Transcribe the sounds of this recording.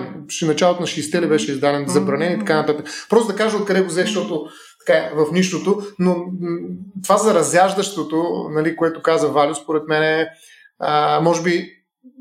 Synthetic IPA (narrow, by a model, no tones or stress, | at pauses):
ʃnɐt͡ʃalˠot̪ʊnɐʃist̪ɛlɛbɛʃɛizd̪anɛnzɐbɾɐnɛnit̪ɐkanɐt̪at̪əkpɾɔst̪d̪ɐkaʒɐot̪̚kɐd̪ɛɡozɛʃt̪ɔt̪o | t̪ɐ̥kaɛvɐfniʃt̪ot̪ono | t̪ovazɐɾɐzjaʒd̪ɐʃt̪ot̪onɐlikoɛt̪ʊkazəvalʲospoɾɛt̪mɛnɛ | əmɔʒɛbi